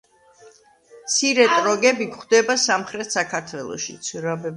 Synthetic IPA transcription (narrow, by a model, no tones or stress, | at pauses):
t̪sʰiɾɛt̪ʼɾɔɡɛbikχd̪ɛbasamχɾɛt̪ʰsakʰaɾt̪ʰwɛlˠɔ̰ʃḭt̪sʰiɾabɛb